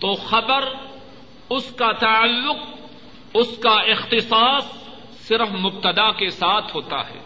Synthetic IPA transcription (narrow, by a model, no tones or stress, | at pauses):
t̪oːxɐbəɾ | ʊskat̪ɐəlːʊq | ʊskaɪxt̪ɪsaːsː | ɪɾəfmʊb̚t̪əd̪akesaːt̪ʰɦoːt̪a̰ɦɛ̰ː